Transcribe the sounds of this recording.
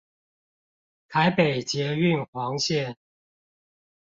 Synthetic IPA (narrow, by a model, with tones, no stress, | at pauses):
t̪ʰa˧˦ɪpe˨˩ɪt͡ɕjɛ˨˦˥y˥˨nxwɑ˧˥ŋɕjɛ˥˨n